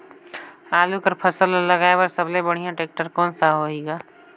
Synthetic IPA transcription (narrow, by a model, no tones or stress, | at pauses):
aːlukəɾpʰəsəlləɡaːebɐɾsəblebəɽ̤ijãʈeːk̚ʈəɾkɔːnsaɦoeːɡaː